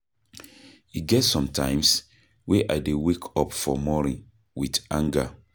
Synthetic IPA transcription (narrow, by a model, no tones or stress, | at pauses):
iɡɛtsɔ̃mtãɪ̃ms | weʔa̰ɪdewekʰɔpfɔmɔnĩ | witãŋɡa